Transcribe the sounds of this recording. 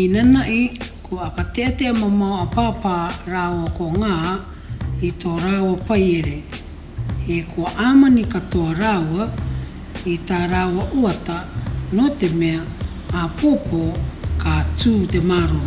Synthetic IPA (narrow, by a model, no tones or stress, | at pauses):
inanaʔikuaakateʔateamamawapaːpaɾawakoŋa | ito̞ɾawapajeɾe | hekʰuaʔamanikatoaɾawa | itaɾawaʔuatanote̞meaː | popokatuːte̞maɾu